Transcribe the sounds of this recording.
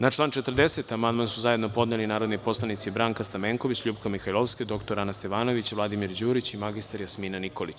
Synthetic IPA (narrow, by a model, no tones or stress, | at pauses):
nat͡ʃlˠaːnt͡ʃet̪r̩d̪eset̪amand̪mansuzajed̪nopo̞d̪nelinaːɾo̞d̪nipo̞slˠanit̪sibɾaːŋkast̪ameːŋko̞ʋit͡ɕʎuːbkamixajlo̞ʋsked̪o̞kt̪oɾanast̪e̞ʋaːno̞ʋit͡ɕʋlˠad̪imiɾd͡ʑuːɾit͡ɕimaɡist̪aɾjasminaniko̞lit͡ɕ